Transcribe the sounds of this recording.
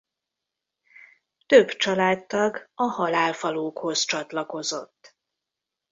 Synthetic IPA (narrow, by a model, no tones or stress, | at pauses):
t̪øbt͡ʃɒlaːt̪t̪ːɒɡɒhɒlaːlfɒloːkho̞zt͡ʃɒt̪lɒko̞zo̞̰t̪ː